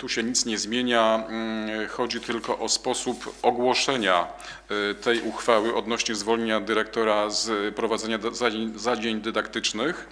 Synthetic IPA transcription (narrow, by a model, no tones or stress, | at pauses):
t̪uɕɛɲit̪sɲɛzmʲjeɲa | xɔd͡ʑit̪ɘlkɔʔɔspɔsupɔɡwɔʂɛɲa | t̪ʰɛjʔuxfawɘʔɔd̪nɔɕɲɛzvɔlɲeɲad̪ɘɾɛk̚t̪ɔɾazpɾɔvad̪zɛɲazad͡ʑeɲd̪ɘd̪akt̪ɘt͡ʂnɘx